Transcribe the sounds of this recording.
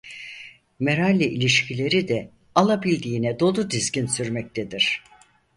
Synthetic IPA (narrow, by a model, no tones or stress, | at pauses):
meɾalʲːiʔilʲiʃcʰilʲe̞ɾid̪ɛ | alˠabilʲd̪iːnɛd̪o̞lˠud̪izɟinsyɾmɛc̚t̪ʰed̪iɾ̝̥